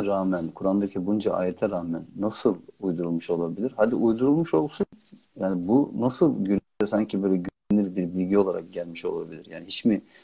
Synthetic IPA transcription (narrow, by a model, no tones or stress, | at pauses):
ɾaːmænkʰuɾand̪acʰibund͡ʒaʔa̰ːjɛt̪ʰɛɾaːmænːasɯlˠujd̪uɾulˠmuʃo̞lˠabilʲiɾhad̪iujd̪uɾulˠmuʃo̞lˠsunjaːnɪbunasɯlˠɟyl | ɛsaɲcʰibø̞ːjlʲɛɟyneniɾbiɾbilʲɟio̞lˠaɾa̰k̚ɟælʲmiʃo̞̰lˠa̰bilʲiɾja̰ːnihit͡ʃmi